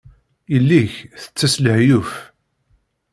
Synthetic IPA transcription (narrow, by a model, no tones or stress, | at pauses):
ilːiçθə̥t͡sːæsləhjuf